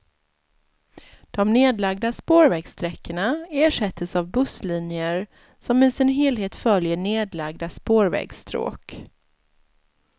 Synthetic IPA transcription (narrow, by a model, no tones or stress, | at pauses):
d̪̥ɔmneːd̪laɡ̚d̪aspoːɾvɛːɡst̪ɾɛkːəɳaeːʂɛt̪ʰːəsavbɵsliːnɪəɾ | sɔmɪsɪnɦeːlɦeːt̪fœljəɳeːd̪laɡ̚d̪aspoːɾvɛ̰ːɡst̪ɾo̰ːk